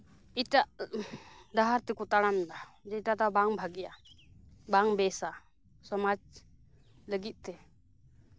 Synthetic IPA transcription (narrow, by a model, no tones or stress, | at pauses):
iʈaʔ | d̪aɦaɾt̪ɛkɔt̪aɽamnad͡ʒɛiʈat̪abaŋbʱaɡɛja | baŋbɛsa | sɔmad͡ʒ | ləɡit̪̚ˀt̪ɛ